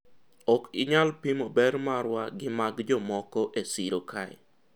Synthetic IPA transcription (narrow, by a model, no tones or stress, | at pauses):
ɔkɪɲalpimobɛɾmaɾwaɡɪmaɡd͡ʒɔmɔkɔʔesiɾokʰajɛ